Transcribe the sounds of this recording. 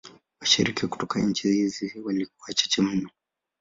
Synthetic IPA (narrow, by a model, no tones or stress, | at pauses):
waʃiɾikiku̥tɔkaɲ̩t͡ʃihiziwalik̚uwat͡ʃḁt͡ʃɛm̩nɔ